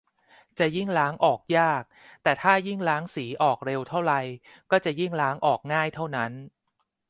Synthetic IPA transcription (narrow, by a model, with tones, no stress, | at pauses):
t͡ɕa˨˩ji˥˩ŋɾaː˦˥ŋʔɔː˨˩k̚jaː˥˩k̚ | t̪ɛː˨˩t̪ʰaː˥˩ji˥˩ŋlaː˦˥ŋsiː˩˦ʔɔː˨˩k̚ɾe˧wt̪ʰa˥˩wɾa˨j | kɔː˥˩t͡ɕa˨˩ji˥˩ŋlaː˦˥ŋʔɔː˨˩k̚ŋaː˥˩jt̪ʰa˥˩wna˦˥n